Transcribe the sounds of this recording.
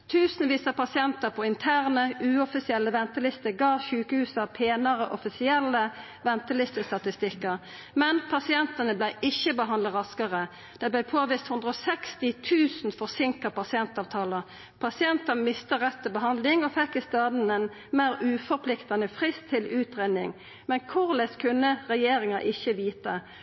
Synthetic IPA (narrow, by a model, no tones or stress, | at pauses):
t̪ʰʉːsn̩ʋiːsɑpʰɑsɪɛnt̪əʁpʰɔɪnt̪ʰæːʁnəʉːɔfɪsɪɛlːəʋɛnt̪əlɪst̪əɡɑːçʉːkəhʉːsɑpʰeːnəʁəʔɔfɪsɪɛlːə | ʋɛnt̪əlɪst̪əst̪ɑt̪ɪst̪ɪkːəʁ | mɛnpʰɑsɪɛnt̪ənəblæɪʔɪçːəbəɦɑnd̪ɑʁɑskəʁə | d̪̥ɛɪblæɪpʰoːʋiːst̪hʉnd̪ʁəɔːsɛkst̪ɪt̪ʰʉːsn̩fɔʁsɪŋkɑpʰɑsɪɛnt̪ɑːʋt̪ʰɑːləʁ | pʰɑsɪɛnt̪ɑnmɪst̪əʁɛt̪ːəbəɦɑnd̪lɪŋɔfɛkːɪst̪ɑːd̪n̩ɛn | meːʁʉːfɔʁpʰlɪkt̪ɑnəfʁɪst̪ʰːɪlʉːt̪ʁeːd̪ɪŋ | mɛnkʰʊʁlɛskʰʉnːəʁɛjeːɾɪŋɑʔɪçəʋiːt̪ə